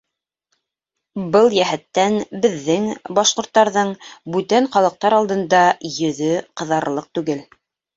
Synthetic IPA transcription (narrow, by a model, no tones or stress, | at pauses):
bɤlˠjæɦæt̪ːænbɘ̆ðːɘŋbɑʃqŏɾt̪ːɑɾðɤɴbʉt̪æɴχɑlˠɤ̆q̚t̪ɑɾɑlˠd̪ɤ̆nd̪ɑjɵ̆ðɵqɤ̆ðɑɾlˠɤq̚t̪ʉɡɘl